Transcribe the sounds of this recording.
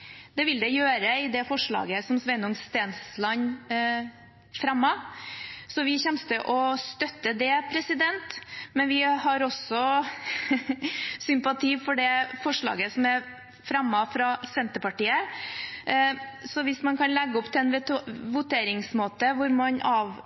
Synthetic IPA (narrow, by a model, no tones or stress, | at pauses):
d̪̥ɛʋɪld̪ɛjøːɾəɪd̪ɛfɔʂɭɑ̰ːɡəsɔmsʋɛnʊŋst̪eːnslɑɲ | fɾɑmːɑ | sɔʋɪçɛmst̪əʔɔst̪œt̪ːəd̪ɛpʰɾɛsɪd̪ɛnt̪mɛnʋɪhɑɾɔsɔ | sʏmpɑt̪ʰiːfɔɖɛfɔʂɭɑ̰ːɡəsɔmæɾ | fɾɑmːɑfɾɑsɛnt̪əpɑʈiːə | sɔʋɪsmɑnkʰɑnlɛɡːəɔpt̪ʰɪlɛnʋ̪ʋʊt̪ʰeːɾɪŋsmoːt̪əʋʊɾmɑnʔɑːʋ